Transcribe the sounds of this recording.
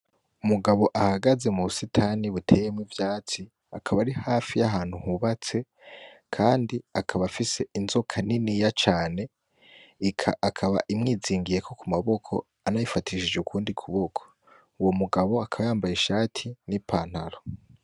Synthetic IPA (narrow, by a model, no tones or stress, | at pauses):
umuɡaβo̞ʔahaɡaze̞muβusitʰaːniβutʰe̞ːjemŋivjaːt͡si | akʰaβaɾihaːfijaɦaːn̥huhuβat͡se̞ | kʰaːndiakʰaβafise̞ʔinzo̞kʰaninijat͡ʃaːne̞ | ikʰaakʰaβa̰ʔimŋiːziːŋɡije̞kʰo̞kumaβo̞kʰo̞̰ | anajifatʰiʃid͡ʒeukʰuːndikʰuβo̞kʰo̥ | uwo̞muɡaβo̞akʰaβajaːmbajeʃaːtʰinipʰaːn̥haɾo